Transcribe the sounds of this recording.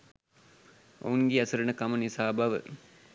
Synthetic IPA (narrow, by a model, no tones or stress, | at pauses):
o̰ŋɡiɐsɐɾɐnɐkɐmɐnisaːbɐʋɨ̰